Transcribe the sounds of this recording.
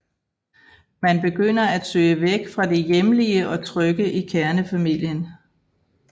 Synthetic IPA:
mænb̥e̝ɡ̥øn̰ɐæd̥sø̰ːɪəʋeɡ̥fʁɑ̈d̥e̝jemliəʔɒ̽t͡sʰʁœɡ̥əʔikʰæɐnəfæmil̰jən

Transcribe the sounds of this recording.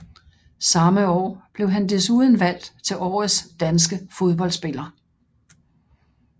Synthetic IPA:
sɑ̈məɒ̰ːb̥le̝ʊɦænd̥e̝suːðˠən̩ʋæl̰d̥t͡sʰe̝lʔɒ̰ːð̩ˠsd̥ænsɡ̥əfo̝ð̞ˠb̥ɒ̽lsb̥e̝lɐ

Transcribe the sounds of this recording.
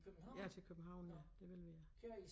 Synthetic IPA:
jæt͡sʰe̝lkʰøb̥m̩ɦɑ̈ʊ̰njæd̥e̝ʋelʋejɑ

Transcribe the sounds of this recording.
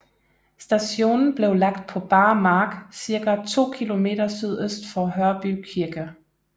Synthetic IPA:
sd̥æɕo̝̰ːnn̩b̥le̝ʊlɑ̈ɡ̥̚d̥̚pʰɒ̽b̥ɑ̈ːmɑ̈ːɡ̥siɐɡ̥æt͡sʰo̝̰ːkʰilo̝me̝̰ːdɐsyð̞̰ˠøsd̥fɒɦœɐb̥ykʰiɐɡ̥ə

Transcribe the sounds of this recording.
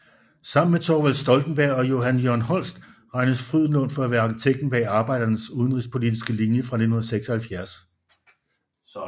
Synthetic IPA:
sɑ̈m̰n̩met͡sʰɒʋælsd̥ɒ̽ld̥n̩b̥æɐ̰ɒ̽jo̝ɦænjoɐnɦɒ̽l̰sd̥ʁɑ̈ɪnəsfʁyð̰ˠn̩lɔnfɒ̽æʋæɐɑ̈kit͡sʰeɡ̥̚d̥̚n̩b̥ɛ̰ːɑ̈ːb̥ɑ̈ɪd̥ɐnəsuð̞ˠən̩ʁispʰo̝lid̥isɡ̥əlinjəfʁɑ̈ne̝d̥n̩hun̩ɐseɡ̥sɒ̽hælfjæɐs

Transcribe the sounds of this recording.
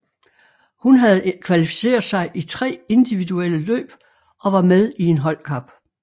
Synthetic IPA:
hunɦæð̞ˠkʰʋælifi̥se̝̰ːɐð̩ˠsɑ̈ɪʔit͡sʰʁɛ̰ːe̝nd̥iʋiðuel̰əlø̰ːb̥ | ɒ̽ʋɑ̈með̞ˠie̝nɦɒ̽l̰kʰɑ̈b̥

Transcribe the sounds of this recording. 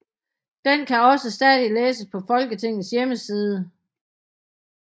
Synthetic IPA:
d̥enkʰæɒ̽səsd̥ɛðˠileːsəspʰɒ̽fɒ̽lɡ̥ət͡sʰe̝ŋ̰ð̩ˠsjeməsiːð̞ˠə

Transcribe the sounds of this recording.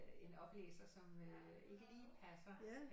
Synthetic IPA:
e̝nɒ̽b̥lḛːsɐsɒ̽mø | e̝ɡ̥əliːpʰæsɐ

